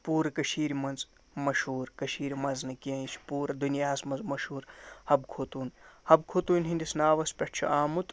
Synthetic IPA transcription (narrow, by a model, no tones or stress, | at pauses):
puːɾɐkɐʃiːɾimɐnz | mɐʃhuːɾkɐʃiːɾimɐznɐkiɐit͡ʃʰpuːɾɐd̪unijaːsmɐnzmɐʃhuːɾhɐb̚kʰoːt̪uːnhɐb̚kʰoːt̪uːnʲɦinʲd̪isnaːʋɐspʲɐʈ̚ʰt͡ʃʰṵaːmut̪